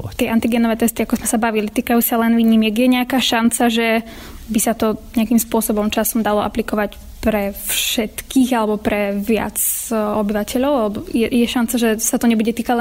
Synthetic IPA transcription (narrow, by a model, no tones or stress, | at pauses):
t̪ɪɛʔant̪iɡɛːnɔʋɛːt̪ɛst̪iakɔzmɛsabaʋilit̪iːkajuːsalɛnʋiɲiːmɛɡjɛɲɛakaːʃant͡saʒɛ | bisat̪ɔɲɛakimspʊɔsɔbɔmt͡ʃasɔmd̪alɔʔa̰plikɔʋac | pɾɛfʃɛt̪kʰiːɣalɛbɔpɾɛʋɪa̰t͡sɔbiʋacʰɛʎɔʊalɛbɔjɛjɛʃant͡saʒɛsat̪ɔɲɛbuɟɛt̪iːkalɛ